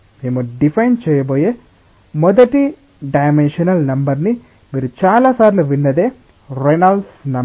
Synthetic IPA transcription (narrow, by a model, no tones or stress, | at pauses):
emoɖifɐjnt͡ʃɛjːɐp̬oːjeː | mɔd̪ɐʈːi | ɖɐjmenʃɐnɐlnɐmbɐɾni | miːɾut͡ʃaːlaːsaːɾluʋinːɐd̪eː | ɾenɐlsnɐ